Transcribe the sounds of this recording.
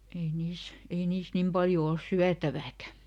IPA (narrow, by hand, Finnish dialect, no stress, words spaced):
ei niːs ei niːs nim pɑljo ols syætæʋæːkæ